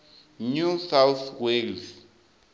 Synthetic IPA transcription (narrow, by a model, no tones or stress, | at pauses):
nusawθwels